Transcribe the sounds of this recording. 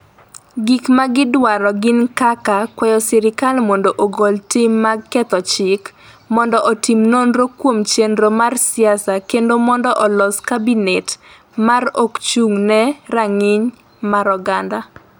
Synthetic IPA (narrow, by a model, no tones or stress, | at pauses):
ɡikmaɡɪdwaɾɔɡɪnkakakwɛjɔsɪɾɪkalmondoʔoɡoltimːakːɛt̪ɔt͡ʃɪk | mɔndɔʔɔtimnonɾokwomt͡ʃendɾomarsɪasakendomɔndɔʔɔlɔskabinet | marokt͡ʃuŋnɛɾaŋɪɲ | maɾɔɡanda